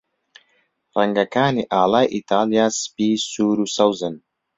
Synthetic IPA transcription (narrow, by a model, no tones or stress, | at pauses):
rɛŋɡɐkaːniːʔaːlaːjʔit̪ʰaːlijaːsɨ̥piːsuːɾuːsɐwzɨn